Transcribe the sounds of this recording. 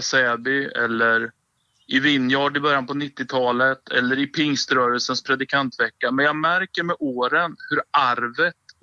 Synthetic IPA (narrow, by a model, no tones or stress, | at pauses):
sɛːbɪɛ̰lːəɾ | ʔɪvɪnːjɑːɖɪbœɾjanpɔnɪt̪ːɪt̪ʰɑːlət̪ʰɛ̰lːəɾɪpʰɪŋst̪ɾœːɾəlsənspʰɾɛd̪ɪkʰant̪vɛkːamɛnjɑːɡmæɾkəɾmɛʔoːɾənhɵɾaɾvət̪